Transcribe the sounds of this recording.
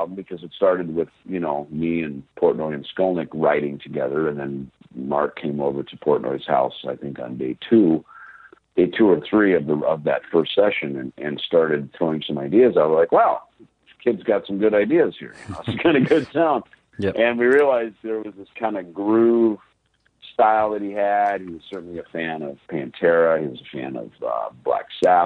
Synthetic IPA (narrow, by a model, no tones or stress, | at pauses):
bɨkʰʌzɨtstɑɹɾɨd̚wɪð̥jɨnoʊmiɨ̃npʰɔɹʔⁿnɔɪɨ̃nskõʊnɨkɹaɪɾɪ̃ŋtʰɨɡɛðə˞ɨ̃nðɨ̃n | mɑ̰ɹkkʰẽɪ̃moʊvə˞ɾɨpʰɔɹʔⁿnʔɔ̰ɪz̥ha̰ʊsa̰ɪθɪ̃ŋkn̩deɪtʰu | d̥eɪtʰuə˞θɹiʌvðəʌ̰vðɨ̰tfɜ˞stsɛʃɨ̃nɨ̃nʔɨ̃nstɑɹɾɨd̪̚θɹoʊɪ̃ŋsʌ̃maɪdiɨzaɪwʌzlaɪkwaʊ | kʰɪdzɡɑtsʌ̃mɡʊɾaɪdiɨz̥hḭɹjɨnoʊætskʰãɪ̃ndɨɡʊdsãʊ̃n | ʔɨ̃nwiɹiəlaɪzðə˞wʌzðɪskʰãɪ̃ndɨɡɹʉ | staɪlˠðɨt̚hiɨd̚hiwʌz̥sɜ˞ʔn̩liɨfæ̃nʌv̥pʰæ̃ntʰɛɹɨhiwʌzəfæ̰̃nʌ̰vʌ̰blæ̰ksæ